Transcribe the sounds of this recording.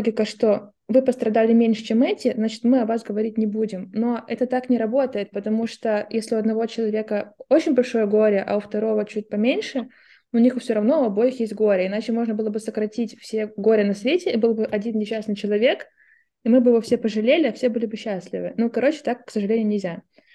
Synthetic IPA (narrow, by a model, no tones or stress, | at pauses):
ɡʲɪkəʂt̪o̞ | vɨpəst̪ɾɐd̪alʲɪmʲenʲʂɨt͡ɕemɛtʲɪznat͡ɕɪ̥t̪mɨɐvasɡəvɐɾʲitʲnʲɪbudʲɪmno̞ɛt̪ət̪aknʲɪɾɐbo̞t̪əjɪt̪̚pət̪ɐmuʂt̪ojesʲlʲɪʊɐd̪nɐvo̞t͡ɕɪlˠɐvʲe̞kəot͡ɕɪnʲbɐlʲʂo̞jəɡo̞ɾʲɪʔɐ̰ʊft̪ɐɾo̞vət͡ɕut̚ʲpɐmʲenʲʂɨ | ʊnʲixʊfsʲoɾɐvno̞ɐbo̞jɪxjesʲt̚ʲɡo̞ɾʲəɪnat͡ɕɪmo̞ʐnəbɨlˠəbɨsəkɾɐtʲitʲfsʲeɡo̞ɾʲɪnɐsvʲetʲɪibɨlˠbɨʔɐdʲinnʲɪɕasnɨjt͡ɕɪlˠɐvʲe̞k | imɨbɨjɪvofsʲepəʐɨlʲelʲɪɐfsʲebɨlʲɪbɨɕːasʲlʲɪ̰vɨ̰nukɐɾʔo̞t͡ɕɪ̥t̪akːsəʐɨlʲenɪjʊnʲɪvʲzʲa